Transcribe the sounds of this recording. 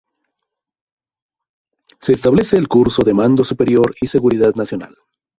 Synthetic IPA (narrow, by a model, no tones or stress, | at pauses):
se̞ːst̪aβle̞se̞ːlkuɾso̞ðe̞mand̪o̞supe̞ɾjo̞ɾise̞ɣuɾiðaðnasjo̞na̰l